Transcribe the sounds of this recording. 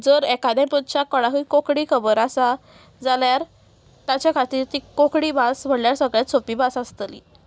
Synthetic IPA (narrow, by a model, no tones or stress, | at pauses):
d͡zəɾɛkad̪ãpud̪t͡ɕakɔɽakukokɽiːkʰəbəɾasa | d͡zaljaɾ | t̪at͡ɕjakʰat̪iːɾt̪iːkokɽiːbasm̤əɽljaɾsəɡɭjat͡sʰopibasast̪əlḭ